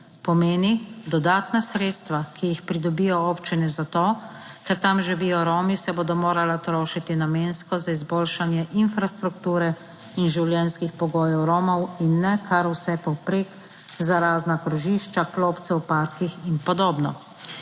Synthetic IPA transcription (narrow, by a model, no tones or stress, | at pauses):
pɔmeːnid̪ɔd̪aːt̪nasɾeːt̪st̪ʋakʰijixpɾid̪ɔbijɔɔpt͡ʃinɛzat̪oː | kɛɾt̪amʒiʋiːjɔɾɔːmisɛboːd̪ɔmoːɾalat̪ɾoːʃit̪inameːnskɔzaizboːlʃanjɛʔinfɾast̪ɾukt̪uːɾɛ | inʒiwljɛnskixpɔɡoːjɔwɾɔːmɔwinːɛkʰaɾwsɛpɔwpɾeːk | zaɾaːznakɾɔʒiːʃt͡ʃakloːpt̪sɛwpaːɾkixinpɔd̪oːbnɔ̰